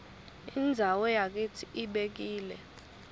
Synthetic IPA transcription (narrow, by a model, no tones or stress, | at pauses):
ind͡zʱawɔjak̬itʰiʔiɓek̬iːlɛ